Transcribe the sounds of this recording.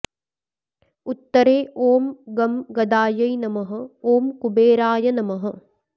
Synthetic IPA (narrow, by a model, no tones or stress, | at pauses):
ut̪ːɐɾeːʔoːmɡɐmɡɐd̪aːjɐjnɐmɐɦɐ̆oːmkubeːɾaːjɐnɐmɐɦɐ̆